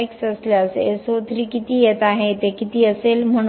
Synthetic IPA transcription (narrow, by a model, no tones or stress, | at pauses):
jksəslaəsḛsot̪əɾiːkit̪iːjet̪aɦet̪ekit̪iːəselm̤əɽ